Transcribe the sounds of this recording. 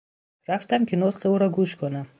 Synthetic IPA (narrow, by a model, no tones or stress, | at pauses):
ɾaft̪amkʰʲinot̪qiuɾɒɡuʃkʰonam